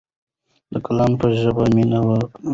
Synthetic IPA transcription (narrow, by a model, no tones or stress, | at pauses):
d̪əkalɑmpəʒəbaminawək